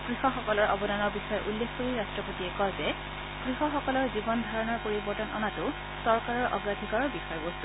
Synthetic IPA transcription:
ɡ̥ɹixɔxɔkɔlɔɹʔɔ̰bɔdanɔɹbixɔjɔʔulːexkoɹiɹastɹɔpotiɛkɔɹzɛ | ɡ̥ɹixɔxɔkɔlɔɹzibɔnd̪ʱaɹɔnɔɹpoɹibɔɹtɔnʔɔ̰natʊ | sɔɹkaɹɔɹʔɔ̰ɡɹadʱikɔɹɔɹbixɔjɔbost̪u̥

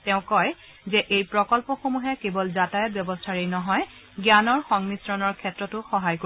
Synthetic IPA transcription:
tɛʊ̃kɔj | zɛʔejpɹɔkɔlpɔxomuɦɛkebɔlzatajɔt̚bjɔbɔstʰaɹinɔɦɔj | ɡjanɔɹxɔŋmisɹɔnɔɹkʰɛtɹɔtʊxɔɦajko

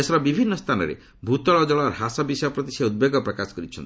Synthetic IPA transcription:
esɔɾɔbibʱinːɔst̪ʰanɔ̰ɾḛ | bʱut̪ɔɭɔd͡ʒɔɭɔɾɦasɔbisɔjɔpɾɔt̪isaud̪̚beɡɔpɾɔkasɔ̥kɔɾit͡ʃʰɔnt̪i

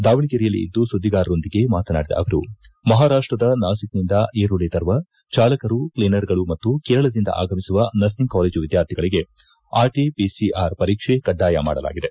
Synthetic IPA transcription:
d̪aːʋɐɳiɡeɾijɐlḭḭd̪ːusud̪ːiɡaːɾɐɾo̞nd̪iɡe̞maːt̪ɐna̰ːɽid̪ɐ̰ʔɐ̰ʋɐɾṵmɐɦaːɾaːʂʈɾɐd̪ɐnaːsik̚nind̪ɐʔeːɾuɽeːt̪ɐɾʋɐ | t͡ʃaːlɐkɐɾupleːnɐɾɡɐɭumɐt̪ːukɛːɾɐɭɐd̪ind̪ɐ̰ʔa̰ːɡɐmisuʋɐnɐsniŋkaːleːd͡ʒuʋid̪jaːɾt̪ʰiɡɐɭiɡe̞ | aːɾʈipisiaːɾpɐɾiːkʂekɐɖːaːjɐma̰ːɽɐla̰ːɡid̪e̞

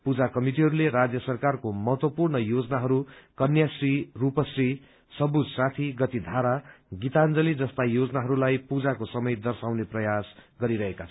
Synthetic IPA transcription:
pud͡zakʌmiʈiɦʌɾuleɾad͡zjʌsʌrkarkomʌɦʌt̪wʌpurnɳʌjod͡zʌnaɦʌɾukʌnjasrirupʌsri | sʌbud͡zsat̪ʰiɡʌt̪id̪ʱaɾaɡit̪and͡zʌlid͡zʌst̪ajod͡zʌnaɦʌɾulajpud͡zakosʌmʌjd̪ʌrsawneprʌjasɡʌɾiɾʌɦekat͡sʰʌ

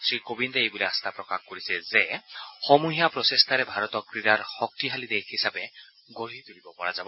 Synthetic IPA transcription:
sɹikobind̪ɔejbuleast̪ʰapɾɔkaxkoɹisɛzexɔmuɦijapɾɔsest̪ʰaɾɛbʱaɾɔt̪ɔkɾiɾaɹxɔk̚t̪iɦalid̪ekʰɦisabe | ɡoɦit̪uɽibɔpɔɹazabɔ

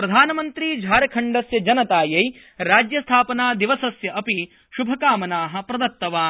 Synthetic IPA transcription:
pɾɐd̪ʱaːnɐmɐnt̪ɾid͡ʒʱaːɾɐkʰɐɳɖɐsjɐd͡ʒɐnɐt̪aːjɐj | ɾaːd͡ʒjɐst̪ʰaːpɐnaːd̪iʋɐsɐsjɐʔɐpi | ʃubʱɐkaːmɐnaːɦɐ̆pɾɐd̪ɐt̪ːɐʋaː

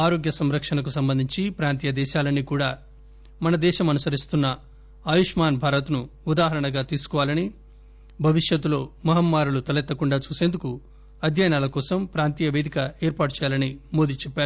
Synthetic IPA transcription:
aːɾoːɡjɐsɐmɾɐkʂɐnɐk̬usɐmbɐnd̪ʱiɲt͡ʃipɾaːnt̪iːjɐd̪ɛːʃaːlɐnːikuːɽaː | mɐnɐd̪ɛːʃɐmɐnusɐɾist̪unːɐ | aːjuʂmaːnbʱaːɾɐt̪nuud̪aːɦɐɾɐɳɐɡaːt̪iːsu̥kɔʋaːlɐni | bʱɐʋiʂjɐt̪ːulo̞ːmɐɦɐmːaːɾulut̪ɐlɛt̪ːɐkuɳɖaːt͡ʃuːse̞ːnd̪uku | ɐd̪ʱjaːjnaːlɐkɔːsɐmpɾaːnt̪iːjɐʋe̞ːd̪ikɐeːɾpaːʈut͡ʃɛːjaːlɐnimoːd̪iːt͡ʃɛpːaːɾu

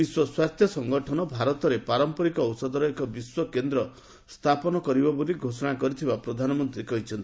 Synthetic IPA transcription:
biswɔswat̪ʰjɔsɔŋɡɔʈʰɔnɔbʱaɾɔt̪ɔɾepaɾɔmpɔɾikɔɔwsɔd̪ɔɾɔekɔbiswɔkend̪ɾɔ | st̪ʰapɔnɔkɔɾibɔboliɡʱosɔɽ̃akɔɾit̪ʰibapɾɔd̪ʱanɔmɔnt̪ɾikɔɦit͡ʃʰɔnt̪i

